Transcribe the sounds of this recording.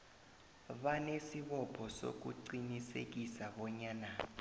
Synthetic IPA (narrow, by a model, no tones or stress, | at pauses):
ɓanesiɓɔpʰɔso̰k̬ṵǀinisḛk̬isaɓɔɲaːna